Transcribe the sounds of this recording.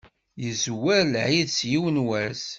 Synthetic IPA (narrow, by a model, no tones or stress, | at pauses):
jəzwæɾʕiðsjiwənwæs